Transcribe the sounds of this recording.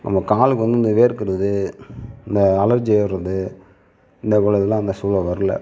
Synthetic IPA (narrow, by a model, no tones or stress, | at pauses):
nɐ̰mɐkaːlɯkɯʋɐnd̪ɯɪnd̪ɯʋeːɾɯkːɪɾɐðɯɪnd̪ɐːlɐɾd͡ʒeːɾɐðɯ | ɪnd̪ɐʋɐɭɐðɪlãːɪnd̪ɐsuːlɐʋɐɾɯlɐ̰